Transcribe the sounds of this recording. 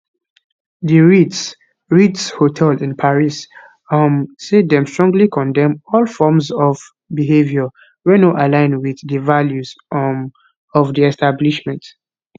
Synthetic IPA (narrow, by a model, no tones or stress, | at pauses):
ðəɹi | ɹitshotʰɛldĩnpʰaɹis | amsedɛ̃mstɹ̥ɔ̃ŋɡlikʰɔ̃ndɛ̃mɔlfɔmsɔv | biɦevjɔ | wɛnoʔalãɪ̃nwiðdəvaljuz | ɔvdiɛstabliʃmɛ̃nt